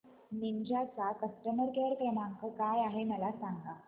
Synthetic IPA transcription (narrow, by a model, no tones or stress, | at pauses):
niɲd͡ʑʱat͡sakəsʈəməɾkeɽkenaŋkəkajaɦeməlasaŋɡa